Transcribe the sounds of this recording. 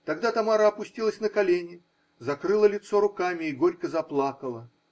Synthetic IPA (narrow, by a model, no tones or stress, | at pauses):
t̪ɐɡd̪at̪ɐmaɾəɐpʊsʲtʲilˠəsʲnəkɐlʲenʲɪ | zɐkɾɨlˠəlʲɪt̪so̞ɾʊkamʲɪːɡo̞ɾʲkəzɐplˠakəlˠə